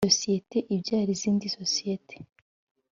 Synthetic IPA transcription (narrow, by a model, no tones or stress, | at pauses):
osijete̞ʔibɟaːɾiziːndiso̞sijete̥